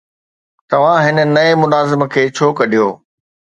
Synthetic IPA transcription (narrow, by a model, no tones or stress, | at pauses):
t̪ɐʋ̤ãɦɪnə̆nɐemʊnaːzɪmə̆kʰeːt͡ɕʰoːkɐɗijoː